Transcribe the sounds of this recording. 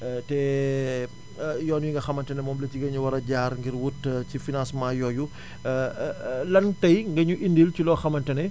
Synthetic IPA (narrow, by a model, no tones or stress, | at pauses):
tɛ | jɔːnjiŋɡɐxɐmɐntɐnɛmɔːmleciɡɐɲuwɐɾɐɟaːɾŋɡiɾwutcifinãːsmãːjɔːju | lɐntɐjŋɡɐɲuʔindilt͡ʃulɔːxɐmɐntɐnɛ